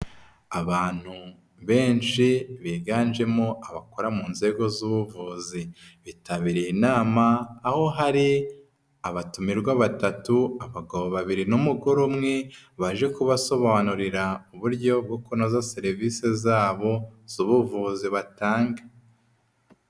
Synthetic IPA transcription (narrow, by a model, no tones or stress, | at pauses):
aβaːn̥hu | βe̞ːnʃiβiːɡaːnʒe̞mo̞ʔaβako̞ɾamuːnze̞ɡo̞zuβuvuːziβitʰaβiɾijinaːmaːho̞ɦaɾi | aβatumiɾɡwaβatatuaβaɡaβoβaβiɾinumuɡoɾomŋe̞βaʒe̞kuβaso̞βaβanuɾiɾauβuɾɟo̞b̚ɡokonozaseɾivisezaːβo̞z̥uβuvuziβataːŋɡa